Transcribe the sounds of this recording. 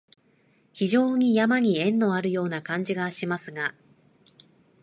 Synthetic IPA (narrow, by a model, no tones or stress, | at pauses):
çiʑo̞ːɲ̟ijamaɲ̟iẽ̞nːo̞aɾɯ̟jo̞ːnakãɲ̟d͡ʑiɡaɕimasɨɡa